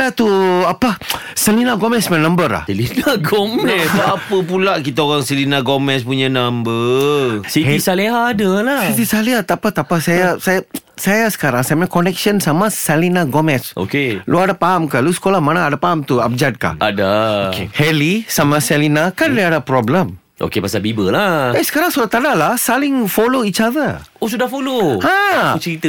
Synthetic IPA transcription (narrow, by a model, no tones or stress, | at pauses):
at̪uapa | səlinaɡomɛsmãnãmbəɾa̰hsɛlinaɡomɛsaapəp̬ulaʔkit̪aoɣaŋsəlinaɡomɛspuɲanambə | siisaleɦaːdalasit̪isaliat̪apat̪apasajasaja | sajasə̥kaɾaŋsamãkonɛk̚ʃənsamasalinaɡomɛsʔo̰keluadapaɦamkalusə̥kolamanaːdapaɦamt̪uap̚d͡ʒat̪̚ka̰ʔa̰daokehɛlisamasɛlinakandeadapɾɔbləm | ʔo̰kepasabibəlaesə̥kaɾaŋsudat̪adalasalɪŋfoloit͡ʃavəosudahfolohãut͡ʃəɾit̪ə